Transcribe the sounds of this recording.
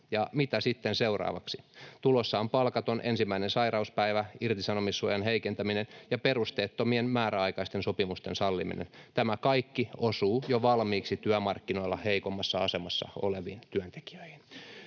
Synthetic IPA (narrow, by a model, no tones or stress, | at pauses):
jɑmit̪æsit̪ːenseurɑ̰ːʋɑksit̪ulosːɑːmpɑlkɑt̪onʔensimːæinensɑirɑuspæiʋæirt̪isɑnomisːuojɑnɦeikent̪æminenjɑperust̪eːt̪ːomienmæːɾæɑikɑist̪ensopimust̪ḛnsɑlːimḭnḛnt̪æmækɑikːiosuːjoʋɑlmiːksit̪yæmɑrkːino̞ilːɑheikomːɑsːɑɑsemɑsːɑ̰o̰leʋiːnt̪yænt̪e̥ki̥øihin